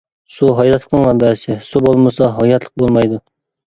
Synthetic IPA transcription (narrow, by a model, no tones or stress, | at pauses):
suɦɑjɛt̪lˠə̥qnɨŋmɛmbæɪsɪsubolˠmɨsɑɦɑjɛt̪ʰlˠə̥q̚bolˠmɑjd̪ʊ